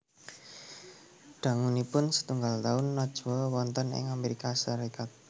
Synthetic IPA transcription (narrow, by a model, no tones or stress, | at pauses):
ɖ̪̥a̤ŋunipʊnsə̥t̪uŋɡalt̪aʊnːɔd̥ʒ̥uwɔwɔnt̪ənɪ̰ŋameɾikaʃaɾikat̪̚